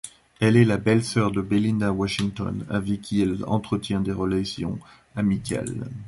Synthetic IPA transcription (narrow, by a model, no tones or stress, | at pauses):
ɛlɛlabɛlsœʁd̪əbelinawaʃiŋt̪ɔ̰na̰vikʲʰːiɛlɑ̰̃t̪χət̪jɛ̃d̪eʁəlasjɔ̰̃ | amikʰʲa̰l